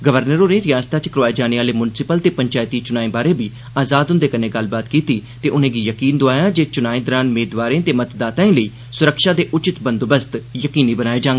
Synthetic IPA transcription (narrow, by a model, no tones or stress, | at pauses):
ɡəʋəɾnəɾõːnẽːɾɪjaːst̪aːt͡ʃəkəɾoaːeːd͡ʒaːneːaːleːmʊnsɪpəlt̪eːpəɲt͡ʃaːjt̪iːt͡ʃʊnaːĩːbaːɾẽːbiː | aːzaːd̪ɦʊ̃nd̪eːkənẽːɡəlbaːt̪kiːt̪iːt̪eːʔʊnẽːɡiːjəkiːnd̪oaːjaːd͡ʒeːt͡ʃʊnaːĩːd̪əɾaːnmeːd̪ʋaːɾẽːt̪eːmət̪d̪aːt̪ãːĩːləiː | sʊɾəkʃaːd̪eːʔʊt͡ʃɪt̪bə̃nd̪obəst̪jəkiːniːbənaːeːd͡ʒãːŋɡeː